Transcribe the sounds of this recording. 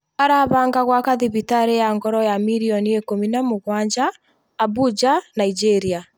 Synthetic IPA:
aɾaβaːŋɡaɣwakaðiβitaɾejaŋɡɔɾɔjamiɾiɔniekominamoɣwaɲd͡ʒaː | bud͡ʒanaid͡ʒeɾia

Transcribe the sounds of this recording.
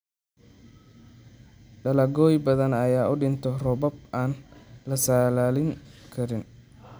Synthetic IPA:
ɖɐlɐɡɔːjbɐðɐnɐjaːʔʊɖɪnt̪ʰɔrɔbɔb̚aːnlɐsaːlaːlɪŋkʰɐɾɪn

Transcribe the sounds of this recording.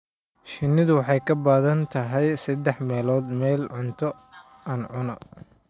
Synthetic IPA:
ʃɪnːɪðʊwɑħɑjkʰɐbaːðɐnt̪ʰɐɦɛjsɐd̪ɛħmɛːlɔːd̪mɛːlʕʊnt̪ʰɔ | ɐːnʕʊnɔ

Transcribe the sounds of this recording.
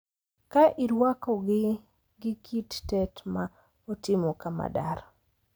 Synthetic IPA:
kaʔiɾwakɔɡɪ | ɡɪkʰittɛtma | otɪmɔkama̰da̰ɾ

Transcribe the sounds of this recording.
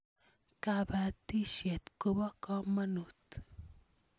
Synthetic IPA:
kabat̪iʃet̪kobɔkɔmɐnut̪

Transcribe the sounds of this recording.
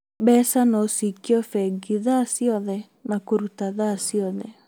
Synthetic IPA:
bɛsanɔsikiɔfɛɡiðasiɔðɛ | nakoɾutaðasiɔðɛ

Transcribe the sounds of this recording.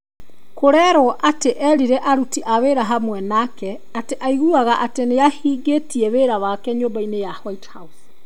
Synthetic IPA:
koɾɛɾɔʔateʔɛɾiɾɛʔaɾutiʔaβeːɾaɦamwɛnakɛ | ateʔaiɣuaɣaʔateneahiːɡetiɛβeɾaβakɛɲoːmbainejahwaithaus

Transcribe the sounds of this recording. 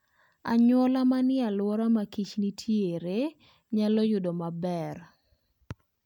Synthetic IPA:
a̰ɲwɔlamanɪalwɔɾamakit͡ʃnitʰjeɾe | ɲalɔjʊdomabɛr

